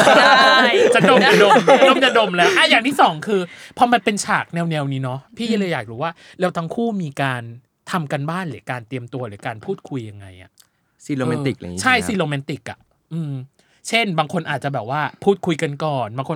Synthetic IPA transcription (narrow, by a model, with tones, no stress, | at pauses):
t͡ɕa˨˩do˧ma˨˩do˧m˩a˩do˧˩mt͡ɕa˨˩do˧mlɛː˦˥wʔa˥˩jaː˨˩ŋt̪ʰiː˥˩sɔː˩˦ŋkʰɯː˧pʰɔ˧ma˧npe˧nt͡ɕʰaː˨˩k̚nɛː˧wnɛː˧wniː˦˥nɔ˦˥pʰiː˥˩a˧˦lɤː˧jːaː˨˩k̚ɾuː˦˥waː˥˩ | lɛː˦˥wt̪ʰa˦˥ŋkʰuː˥˩miː˧kaː˧n | t̪ʰa˧mka˧nbaː˥˩nlɯː˩˦kaː˧nt̪i˧əmt̪u˧ɐlɯː˩˦kaː˧npʰuː˥˩t̪̚kʰu˧jːa˧ŋːa˧jʔa̰˨˩ʔ | si˧loː˧me˦˧t̪i˨˩k̚t͡ɕʰa˥˩jsi˧loː˧mɛ˦˥t̪i˨˩k̚ʔa̰˨˩ | ʔɯː˧m | t͡ɕʰe˥˩nbaː˧ŋkʰo˧nʔaː˨˩t̪̚t͡ɕa˨˩bɛː˨˩p̚waː˥˩pʰuː˥˩t̪̚kʰu˧jka˧nkɔː˨˩nbaː˧kʰo˧